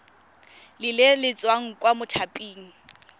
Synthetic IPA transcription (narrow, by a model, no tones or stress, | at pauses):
lɪlɪlɪt͡sʼwaŋ̩kʼwamʊtʰapʼiːŋ̩